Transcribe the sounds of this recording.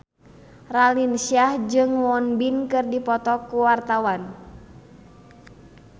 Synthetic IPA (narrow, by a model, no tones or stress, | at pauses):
ralinsiahd͡ʒɨŋwɔnbinkɨrdipɔt̪ɔkuwart̪awan